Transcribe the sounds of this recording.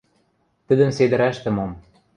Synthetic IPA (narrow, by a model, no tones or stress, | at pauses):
t̪ə̆d̪ə̆nsed̪ɘ̆ɾæʃt̪ɘ̆mom